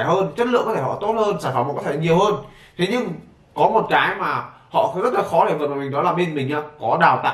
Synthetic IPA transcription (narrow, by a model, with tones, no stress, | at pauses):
ɦəː˧nt͡ɕə˦˥t̚lɨ̰˧əkɔ˨˦t̪ʰhɔ̰˧˨t̪o˦˥t̚həː˧nsaː˧˩jfa˨˩ŋ͡mkɔ˨˦tʰːɲi˨˩əwhəː˧n | t̪ʰe˨˦ɲɨ˧ŋ | kɔ˨˦mo˨˩t̚kaː˨˦jmaː˨˩ | hɔ̰˧˨xi˧˥zə˦˥t̚laː˨˩xɔ˨˦ɗe˧˩və˨˩maː˨˩mï˨˩ŋ̟ɗɔ˨˦laː˨˩ɓe˧nmï˨˩ŋ̟ɲaː˧˩kɔ˨˦ɗaː˨˩wt̪a̰ː˧˨